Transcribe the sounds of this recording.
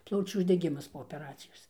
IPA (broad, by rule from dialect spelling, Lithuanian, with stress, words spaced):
ˈplˠɐʊt͡ʃʲuː ʊʒʲdʲɛˈɡʲɪmɐs poː oːpʲɛˈrɑːt͡sʲɪjoːs